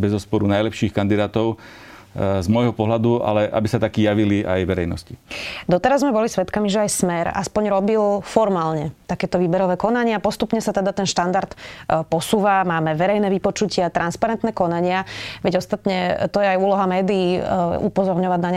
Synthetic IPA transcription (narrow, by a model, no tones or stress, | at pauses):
bɛzɔspɔɾunajlɛpʃiːxkand̪id̪aːt̪ɔʊ | zmɔjɦɔpɔɦlad̪ua̰lɛʔa̰bisat̪akiːjaʋilia̰jʋɛɾɛjnɔscid̪ɔt̪ɛɾazmɛbɔlisʋɛt̪kamiʒɛajsmɛɾa̰spɔɲɾɔbilfɔɾmaːlɲɛt̪akɛːt̪ɔʋiːbɛɾɔʋɛːkɔnaɲɪapɔst̪upɲɛsat̪ɛd̪at̪ɛnʃt̪and̪aɾt̪pɔsuːʋamaːmɛʋɛɾɛjnɛːʋipɔt͡ʃucɪat̪ɾʔanspaɾɛnt̪nɛːkɔnaɲɪaʋɛɟɔst̪at̪ɲɛt̪ɔjɛajuːlɔɦamɛːd̪iiːupɔzɔɾɲɔʋaɟnaɲ